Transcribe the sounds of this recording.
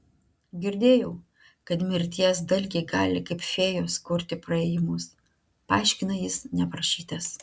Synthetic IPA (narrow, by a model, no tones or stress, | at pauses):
ɡʲɪɾʲd̪ʲeːjɛʊ | kɐt̪mʲɪɾʲt̪ʲiɛs̬d̪ɐlʲɡʲɛɪɡɑːlʲɪkɐɪpfʲeːjoːskʊɾʲt̪ʲɪpɾɐeːjɪmʊs | pɐɑˑɪʃʲkʲɪnɐjɪsnʲɛpɾɐʃʲiːt̪ɐs